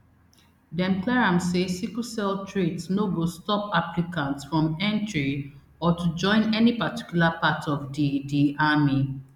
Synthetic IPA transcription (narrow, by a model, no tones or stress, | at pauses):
dɛ̃mplɛɹãmsesiklsɛltʰɹitsnoɡostɔpaplikãntsfɹɔ̃mɛ̃ntɹi | ɔtud͡ʒɔ̃ɪ̃nɛnipati̥kjulapatʰɔvdidiami